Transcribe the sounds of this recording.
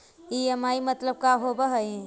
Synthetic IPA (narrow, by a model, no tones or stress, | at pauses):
iemaimət̪ləb̚kaɦobəɦəj̃